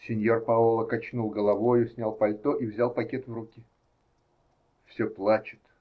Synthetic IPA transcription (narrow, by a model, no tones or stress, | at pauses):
sʲɪnʲjo̞rpɐolˠəkɐt͡ɕnulˠɡəlˠɐvo̞jʊsʲnʲalˠpɐlʲt̪oʔivzʲalˠpɐkʲe̞t̪vɾukʲɪ | fsʲoplˠat͡ɕɪ̥t̪